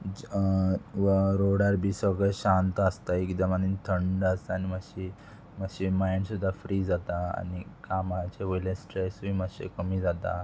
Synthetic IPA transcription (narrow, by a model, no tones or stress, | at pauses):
ʋəɾoɽaɾbʱiːsʋəɡɭɛɕant̪əst̪aikd̪amanint̪ʰəɳɖəst̪animaɕi | məɕimajɳɖsud̪ʱːafɾiːd͡zat̪aa̰nikamat͡ɕeʋəjlẽsʈɾesuimaɕḛkəmiːd͡zat̪a̰